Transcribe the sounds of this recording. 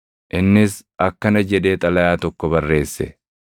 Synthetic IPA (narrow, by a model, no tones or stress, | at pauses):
ʔɪnːɪsʔɐkːɐnɐd͡ʒɛᶑe̞ːt̪ʼɐlɐjaːt̪ɔkːɔbɐrːe̞ːsːɛ̰